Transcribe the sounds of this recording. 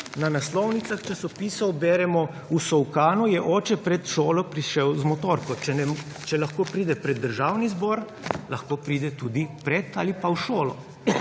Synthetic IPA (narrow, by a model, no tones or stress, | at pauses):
nanaslɔwnit̪saxt͡ʃasɔpiːsɔbɛːɾɛmɔ | usɔwkaːnujɛʔɔːt͡ʃɛpɾɛt̪ʃoːlɔpɾiʃɛwzmɔt̪oːɾkɔt͡ʃɛnɛm | t͡ʃɛlaxkoːpɾiːd̪ɛpɾɛd̪ːəɾʒaːwnizbɔɾ | laxkoːpɾiːd̪ɛt̪uːd̪ipɾɛt̪a̰ːlipawʃoːlɔ